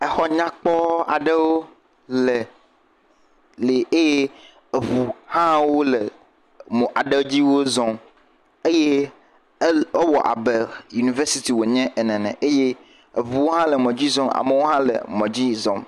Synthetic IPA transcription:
e˨xɔ˦ɲã˦k͡pɔ˦a̰˨ɖe˦wo˦ | lɛ˨ | le˨e˦je˦ | e˨vu˨hã˦wo˦le˨ | mɔ̃˨ʔa˨ɖe˦d͡ʑi˦wo˦zɔ̃˦m | e˦je˦ | o˦wɔ˨ʔa̰˨be˨ju˨ni˨ve˦si˦t̪i˨wo˨ɲɛ̃˦ʔɛ˨nɛ̃˨nɛ̰̃˨ʔe˦je˦ | e˨vu˨wo˦ɦã˦lɛ˨mɔ̃˨d͡ʑi˦zɔ̃˦ma̰˨me˦wo˦ɦã˦lḛ˨mɔ̃˨d͡ʑi˦zɔ̰̃˨m

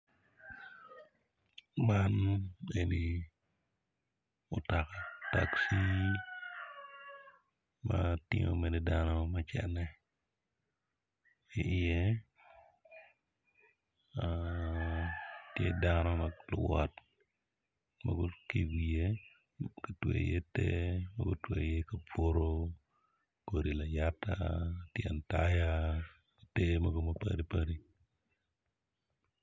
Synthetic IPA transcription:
maneni | ʊtaka˨taksi˦ | matɪ̰ŋomenɛdanɔmɐt͡ʃɛ̰nɛ | iʔɪje | tjḛ˦da˦nɔ˦ma˨lʊ̰˨wa̰t | ma̰˨ɡu˦ki˨ɡi˨je˦ | ka˨twḛ˨je˦te˦ma̰˦ɡu˦twe˨je˦ka˨po˦ɾo˦ | ko˨ɾi˨la˨ja˦ta̰tia̰˨nta˦ja˦ | te˦ma˨ɡo˨ma˨pa̰˨ɾi˦pa˦ɾi˦

